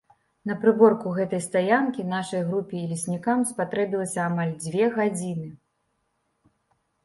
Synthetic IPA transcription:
n̪ɐpɾɨbɔrkuɣɛt̪ɐjst̪ajankʲinaʂɐjɣɾupʲiːlʲisʲnʲikamspat̪ɾɛbʲilˠɐsʲɐːmalʲd͡zʲvʲɛɣad͡zʲinɨ

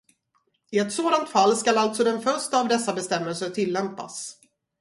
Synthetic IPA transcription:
ɪɛt̪soːd̪ant̪falːskalalt̪sɔd̪ɛnfœʂʈəavd̪ɛsːabɛst̪ɛmːɛlsəʈʰɪlːɛmpa̰s

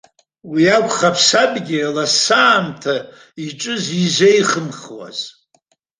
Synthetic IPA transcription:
wiakʷʰʼχapʰsabʼɡʲɪlasaːmtʰa | iʈ͡ʂʼɨzizʷejχəmχwa̰z

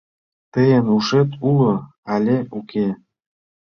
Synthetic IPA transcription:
t̪əjə̆nuʃet̪ʰulo | ɑlʲeʔuke

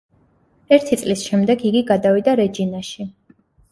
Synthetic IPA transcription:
ɛɾt̪ʰit̪sʼlisʃɛmd̪ɛɡiɡiɡad̪avid̪aɾɛd͡ʒinaʃi

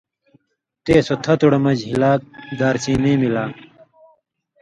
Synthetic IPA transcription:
t̪eːsot̪ʰɐt̪uɽɐmɐd͡ʑɦilaːk̚d̪aːɾt͡ɕĩːnĩːmilaː

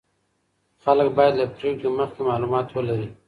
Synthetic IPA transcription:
xɐləkbaːjd̪lapɾekeməxkemaːluːmɑːt̪wəlɐɾiː

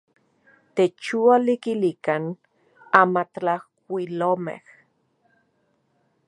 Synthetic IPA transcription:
t̪et͡ʃualikilikan | amat̪lahkʷilomḛh

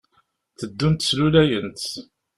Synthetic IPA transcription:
θəd̪ːunt̪slulæjənt̪

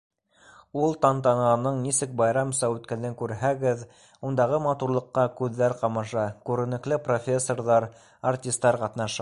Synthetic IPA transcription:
ulˠt̪ɑnt̪ɑnʁɑnɤɴnisɘk̚bɑjɾɑmsɑʉt̪kælɘŋkʉɾɦæɡɘð | und̪ɑʁɤmɑt̪uɾlˠɤ̆qːɑkʉðːæɾqɑmɑʃɑkʉɾɘ̆nɘ̆klɘpro̞fʲesːo̞rðɑɾ | artʲist̪ːɑɾqɑt̪nɑʃɑ

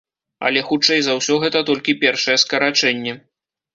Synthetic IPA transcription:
ɐ̰lʲɛxut͡ʂɛjzawsʲɔɣɛt̪ɐt̪ɔlʲkʲipʲɛrʂɐjɛskɐɾat͡ʂɛnʲːɛ

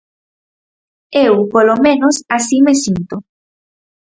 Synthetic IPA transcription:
ewpolomẽnosasimesint̪o

